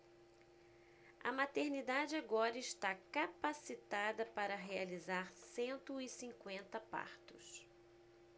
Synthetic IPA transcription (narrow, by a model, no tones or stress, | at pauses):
ɐ̰mat̪eɾnid̪ad͡ʒɪaɡɔɾɐɪʃt̪akapasit̪ad̪ɐpaɾɐɦealizaɾsẽnt̪ʊɪsĩkwẽnt̪ɐpa̰ɾt̪ʊs